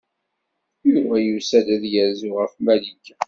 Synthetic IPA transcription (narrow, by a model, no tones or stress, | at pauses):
jʊɾvæjusæd̪æðjəɾzʊʁəfmælik